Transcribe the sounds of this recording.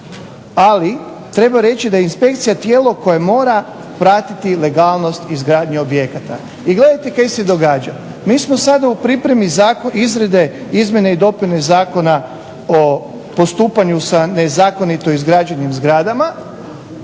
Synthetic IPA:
ali | t̪ɾe̞baɾe̞t͡ʃid̪ajeinspe̞kt̪sijat̪je̞ːlo̞ko̞jamo̞ːɾa | pɾaːt̪it̪ile̞ɡaːlˠno̞st̪izɡɾaːd̪ɲuobje̞kat̪a̰ | iɡle̞d̪ajt̪ekajsed̪o̞ɡaːd͡ʒa | miːsmo̞sad̪aupɾipɾe̞mizakoizɾe̞d̪e̞izmʲje̞neid̪o̞punezaːko̞na | o | po̞st̪uːpaɲusane̞zaːko̞nit̪oizɡɾad͡ʒenimzɡɾaːd̪ama

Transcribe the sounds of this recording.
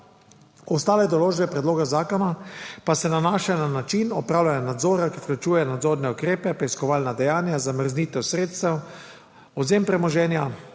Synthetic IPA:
ɔst̪aːlɛd̪ɔloːʒbɛpɾɛd̪loːɡazaːkɔnapasɛnanaːʃananat͡ʃinɔpɾaːwlʲanjanad̪zoːɾakifklut͡ʃuːjɛnad̪zoːɾnɛukɾeːpɛpɾɛjskɔʋaːlnad̪ɛjaːnjazaməɾzniːt̪ɛwsɾeːt̪st̪ɛw | ɔzeːmpɾɛmɔʒɛːnja

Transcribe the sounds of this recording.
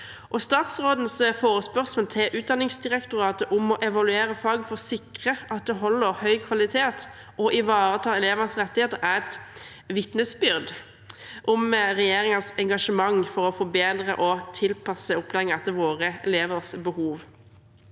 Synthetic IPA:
ʔɔst̪ɑːt̪sʁoːd̪n̩sfoːɾəspœʁsmoːlt̪ʰɪlʔʉːt̪̚d̪ɑnːɪŋsd̪ɪʁɛkt̪ʊɾɑːt̪əʔʊmɔʔɛʋɑlʉeːɾəfɑːɡfɔʁsɪkʁəʔɑt̪̚d̪ɛɦɔlːəɾhœʏkʰʋɑlɪt̪ʰeːt̪ | ʔɔʔɪʋɑːɾət̪ʰɑːɛleːʋənəsʁɛt̪ːɪheːt̪əɾæʁɛt̪ | ʋɪt̪nəsbʏɾd̪ | ʔʊmʁɛjeːɾɪŋənsɛŋɡɑʂəmɑŋfɔɾɔfɔbeːd̪ʁəʔɔt̪ʰɪlpʰɑsəʊpʰlɛŋɛt̪ːəʋoːʁəɛleːʋəʁsbəhuːʋ

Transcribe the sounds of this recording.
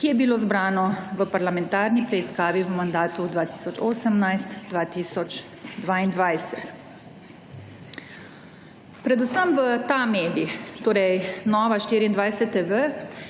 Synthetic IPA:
kijɛbilozbɾaːnɔʋəpaɾlamɛnt̪aːɾnipɾɛiskaːʋiʋəmand̪aːt̪ud̪ʋaːt̪i̥ːsɔt͡ʃoːsəmnajst̪d̪ʋaːt̪iːsɔt͡ʃ | d̪ʋaind̪ʋajsɛt̪ | pɾɛd̪usəmʋət̪ameːd̪ixt̪oːɾɛjnɔːʋaʃt̪iːɾiːnd̪ʋajsɛt̪ːeʋə

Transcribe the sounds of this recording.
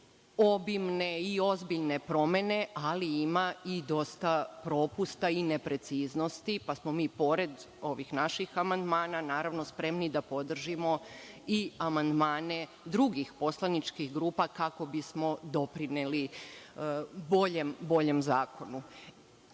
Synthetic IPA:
o̞bimne̞io̞zbiʎne̞pɾo̞me̞ne̞ʔaliimaid̪o̞st̪apɾo̞pust̪aine̞pɾe̞t̪siːzno̞st̪ipasmo̞miːpo̞ɾe̞d̪ | o̞ʋixnaʃixamand̪maːnanaːɾaʋno̞spɾe̞mnid̪apo̞d̪r̩ʒimo̞ | iamand̪maːne̞ | d̪ɾuɡixpo̞slˠanit͡ʃkixɡɾuːpakako̞bismo̞d̪o̞pɾineli | boʎembo̞ʎe̞mzaːko̞nu

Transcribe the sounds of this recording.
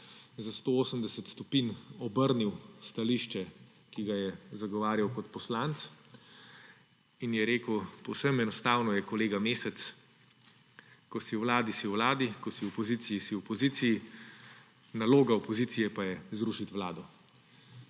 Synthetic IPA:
zast̪oːoːsəmd̪ɛsət̪st̪ɔpinɔbəɾniwst̪aliʃt͡ʃɛ | kiɡajɛzaɡɔʋaːɾjawkɔt̪pɔslant̪s | injɛɾeːkəwpɔwsəmɛnɔst̪aːwnɔjɛkɔleːɡameːsɛt̪s | kɔsiwʋlaːd̪isiwʋlaːd̪ikɔsiɔpɔzit̪sijisiwɔpɔziːt̪siji | naloːɡaɔpɔziːt̪sijɛpajɛzɾuʃit̪ʋlaːd̪ɔ

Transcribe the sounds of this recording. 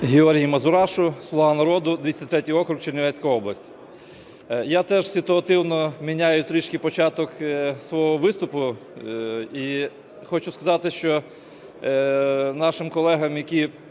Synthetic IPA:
ɦʲeɔɾʲɦʲijimɐzʊɾɑʃʊslˠɔʋɑnɐɾɔd̪ʊd̪ʋʲisʲt̪ʲɪt̪ɾɛtʲijɔkɾʊkt͡ʃerʲnʲɪʋɛsʲkɔjɔblˠɐsʲtʲi̥ | jat̪ɛʒsʲɪt̪ʊɐt̪ɪwnɔmʲinʲajʊt̪ɾiʃkijpɔt͡ʃɑt̪ɔksʋɔɦɔʋɪst̪ʊpʊ | i | xɔt͡ʃʊskɐzɑt̪ɪʃt͡ʃɔ | nɑʃɪmkɔlˠɛɦɐmjɐkʲi

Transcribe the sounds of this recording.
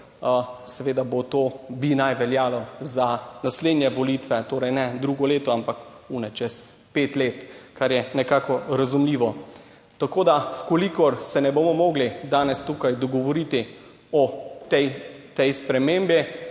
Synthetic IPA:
sɛʋeːd̪abot̪oːbinajʋɛljaːlɔzanasleːd̪nʲjɛʋɔlit̪ʋɛt̪oːɾɛjnɛd̪ɾuɡɔleːt̪ɔampak | unɛt͡ʃɛs | peːt̪leːt̪kaɾjɛnɛkaːkɔɾazumliːʋɔ | t̪akoːd̪afkolikɔɾsɛnɛbomɔmɔːɡlid̪aːnɛst̪ukajd̪ɔɡɔʋɔɾit̪i | ɔt̪ɛjt̪ɛjspɾɛmembi

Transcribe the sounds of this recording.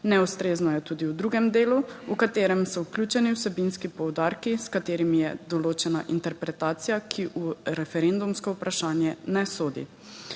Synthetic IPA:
nɛust̪ɾeːznɔjɛt̪uːd̪iwd̪ɾuːɡɛmd̪eːluukat̪eːɾɛmsɔwklʲuːt͡ʃɛniwsɛbinskipɔwd̪aːɾkiskat̪eːɾimijɛd̪ɔloːt͡ʃɛnaʔint̪ɛɾpɾɛt̪aːt̪sijakʰiʔuɾɛfɛɾend̪umskɔupɾaʃaːnjɛnɛsoːd̪ḭ

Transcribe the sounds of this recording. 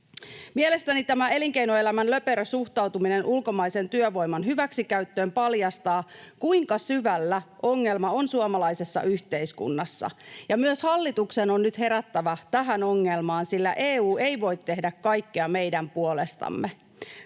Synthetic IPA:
miele̞st̪ænit̪æmæe̞liŋkeinoelæmænlø̞peɾøsuxt̪ɑwt̪umine̞nʔulko̞mɑise̞nt̪yøʋo̞jmɑnɦyʋæksikæyt̪ːøːmpɑljɑst̪ɑːkuiŋkɑsyʋælːæʔo̞ŋːe̞lmɑo̞nsuomɑlɑise̞sːɑ̰ʔyçt̪e̞iskṵnːɑsːɑ̰jɑmyøshɑlːit̪uksenonːyt̪he̞ɾæt̪ːæʋɑt̪æɦænoŋːe̞lmɑːnsilːæʔeːuːe̞jʋo̞jt̪ːe̞hdækkɑjkːiɑme̞jdæmpuole̞st̪ɑ̰mːe

